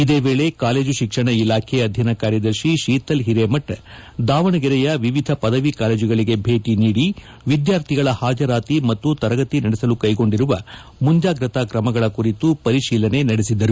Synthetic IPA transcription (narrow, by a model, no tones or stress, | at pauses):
id̪eːʋeːɭe̞kaːle̞ːd͡ʒuʃikʂɐɳɐilaːkʰeɐd̪ʱjɐnakaːɾjɐd̪ɐɾʃiʃiːt̪ɐlɦiɾeːmɐʈd̪aːʋɐɳɐɡiɾɛjɐʋiʋid̪ʱɐpɐd̪ɐʋikaːle̞ːd͡ʒiɡɐɭiɡe̞bʱe̞ːʈiniːɽi | ʋid̪jaːɾt̪ʰiɡɐɭɐhaːd͡ʒɐɾaːt̪imɐt̪ːut̪ɐɾɐɡɐt̪inɐɽɛsɐlukɐjɡo̞ɳɖiɾuʋɐ | mund͡ʒjaːɡɾɐt̪akɾɐmɐɡɐɭɐkuɾit̪upɐɾiʃiːlɐne̞nɐɽesid̪ːɐɾu